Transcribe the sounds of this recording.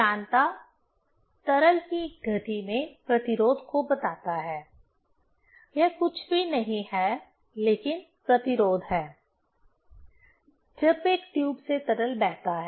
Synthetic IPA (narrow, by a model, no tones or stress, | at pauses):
aːnt̪a | t̪ɐɾəlkiɡʱɐt̪imẽpɾɐt̪ɪɾoːd̪ʱkobɐt̪aːt̪aɦɛː | jɛɦkʊt͡ʃʰbʱinɐɦĩhɛː | leːkɪn | pɾɐt̪ɪɾoːd̪ʱɦɛː | d͡ʒɐbeːkʈjuːbset̪ɐɾəlbɛːɦt̪aɦɛ